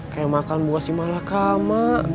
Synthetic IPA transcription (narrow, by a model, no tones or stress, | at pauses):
kajamakanbuasimalakama